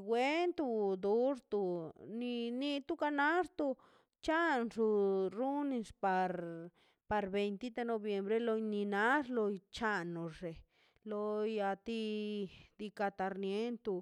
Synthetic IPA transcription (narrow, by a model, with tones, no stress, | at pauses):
wʷe˦nt̪u˧d̪u˦ʐt̪u˧ni˧ni˧t̪u˦ka˧na˦ʐt̪u˧ | t͡ʃa˦nʐu˧ɾu˦ni˧spa˧ɾ | pa˧ɾbe˧jnt̪i˦t̪e˧no˧bje˨mbɾe˧lo˧jni˧na˦ʐlo˧jt͡ʃa˧no˨ʐe˨ | lo˧ja˧t̪i˧ | d̪i˧ka˧t̪a˧ɾnje˦nt̪u˧